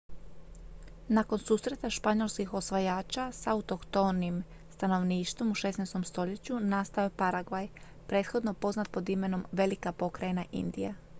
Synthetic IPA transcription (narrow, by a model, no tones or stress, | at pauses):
nako̞nsuːsɾe̞t̪aʃpaɲo̞lˠskixo̞sʋajaːt͡ʃasaut̪o̞kt̪onim | st̪ano̞ʋniːʃt̪ʋomuʃe̞snajst̪o̞mst̪o̞ʎe̞t͡ɕunast̪aopaɾaɡʋaj | pɾe̞ːt̪xo̞d̪no̞po̞znat̪̚po̞d̪ime̞no̞mʋe̞likapo̞kɾajenaʔḭnd̪ija̰